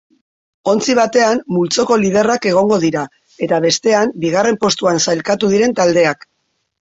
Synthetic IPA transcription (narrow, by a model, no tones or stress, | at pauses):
o̞nt͡siβ̞at̪e̞amːult͡so̞ko̞lið̞e̞rake̞ɣ̞o̞ŋɡo̞ð̞iɾa | e̞t̪aβ̞e̞st̪e̞ambiɣ̞are̞mpo̞st̪uansajlkat̪uð̞iɾe̞nt̪ald̪e̞ak